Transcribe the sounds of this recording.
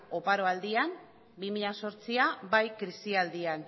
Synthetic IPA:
o̞paɾo̞ald̪iam | bimiʎaso̞ɾt͡siabajkɾisiald̪ian

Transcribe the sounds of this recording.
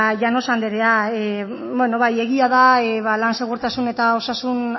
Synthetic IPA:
ʝano̞sand̪eɾe̞ae | bweno̞βaje̞ɣiaðaeβalanse̞ɣuɾt̪asune̞t̪ao̞sasun

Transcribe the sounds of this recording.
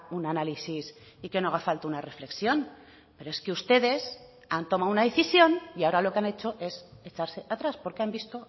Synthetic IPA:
unanalisisikeno̞aɣafalt̪aunare̞fle̞ksjo̞n | pe̞ɾoe̞skeust̪e̞ðe̞s | ant̪o̞maunaðe̞θisjo̞niao̞ɾalo̞keane̞t͡ʃo̞ʔe̞set͡ʃaɾse̞ʔat̪ɾaspo̞ɾkeambist̪o̞

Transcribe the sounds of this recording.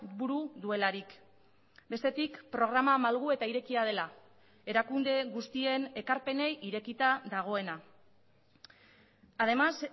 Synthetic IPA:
buɾuðue̞laɾik | be̞st̪e̞t̪ikpɾo̞ɣ̞ɾamamalɣue̞t̪aiɾe̞kiað̞e̞la | e̞ɾakund̪e̞ɣust̪ie̞ne̞kaɾpe̞ne̞jʔiɾe̞kit̪aðaɣ̞o̞e̞na | aðe̞mas

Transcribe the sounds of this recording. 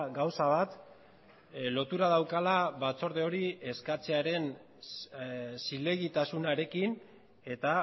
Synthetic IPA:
ɡawsaβat̪ | lo̞t̪uɾað̞awkalaβat͡so̞ɾðe̞o̞ɾie̞skat͡seaɾe̞n | sile̞ɣit̪asunaɾe̞kin | e̞t̪a

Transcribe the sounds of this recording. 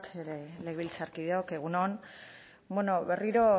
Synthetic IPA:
t̪eɾeleɣeβilt͡saɾkiðeokeɣ̞unon | bweno̞βe̞riɾo̞

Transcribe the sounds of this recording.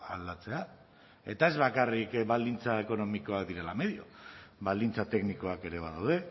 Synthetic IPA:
ald̪at͡se̞a | e̞t̪ae̞zβakarikβald̪int͡saeko̞no̞miko̞akd̪iɾe̞lame̞ðio̞βald̪int͡sat̪e̞kniko̞ake̞ɾe̞β̞aðawð̞e̞

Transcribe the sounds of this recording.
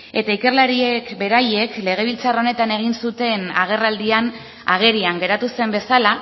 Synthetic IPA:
e̞t̪aike̞rlaɾiekbe̞ɾaje̞kle̞ɣ̞e̞β̞ilt͡saro̞ne̞t̪ane̞ɣ̞insut̪e̞naɣ̞e̞rald̪ian | a̰ɣ̞e̞ɾiaŋɡe̞ɾat̪use̞mbe̞sala

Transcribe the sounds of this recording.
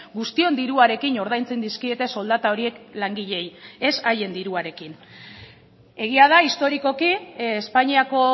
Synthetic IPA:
ɡust̪io̞nd̪iɾuaɾe̞kino̞ɾð̞ajnt͡send̪iskie̞t̪e̞so̞ld̪at̪ao̞ɾie̞klaŋɡiʎe̞je̞saje̞nd̪iɾuaɾe̞kin | e̞ɣ̞iað̞aist̪o̞ɾiko̞kiespaɲiako̞

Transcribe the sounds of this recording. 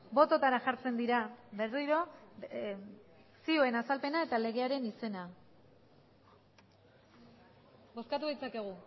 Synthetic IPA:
bo̞t̪o̞t̪aɾaʝaɾt͡se̞nd̪iɾabe̞riɾo̞ | sio̞e̞nasalpe̞nae̞t̪ale̞ɣ̞e̞aɾe̞nise̞na | bo̞skat̪uðit͡sake̞ɣ̞u

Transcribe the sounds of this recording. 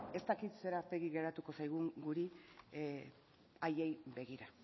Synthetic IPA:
e̞st̪akit̪se̞ɾape̞ɣiɣe̞ɾat̪uko̞sajɣ̞uŋɡuɾi | aje̞jbe̞ɣiɾa

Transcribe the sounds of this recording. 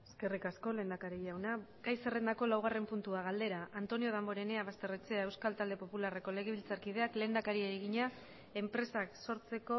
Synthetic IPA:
eske̞rikasko̞le̞nd̪akaɾijawnaɡajsere̞nd̪ako̞lawɣ̞are̞mpunt̪uaɣ̞ald̪e̞ɾaʔːnt̪o̞nio̞ð̞ambo̞ɾe̞ne̞aβast̪e̞ret͡seae̞wskalt̪ald̪e̞po̞pulare̞ko̞le̞ɣ̞eβilt͡saɾkið̞e̞akle̞ːnd̪akaɾiaeɣiɲa | e̞mpɾe̞sakso̞ɾt͡se̞ko̞

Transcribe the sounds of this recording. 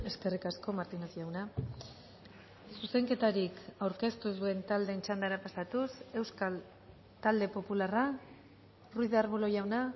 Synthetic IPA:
e̞ske̞rikasko̞maɾt̪inasiawna | suse̞ŋke̞t̪aɾikawɾke̞st̪uzue̞nt̪ald̪e̞ːnt͡ʃand̪aɾapasat̪use̞wskal | t̪ald̪e̞po̞pulara | rujðaɾβulo̞ʝawna

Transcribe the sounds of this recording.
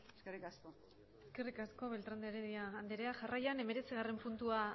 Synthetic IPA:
eskerikasko | eske̞rikasko̞βe̞lt̪ɾand̪eɾeðiaːnd̪eɾeaʝarajane̞me̞ɾe̞t͡siɣ̞are̞mpunt̪ua

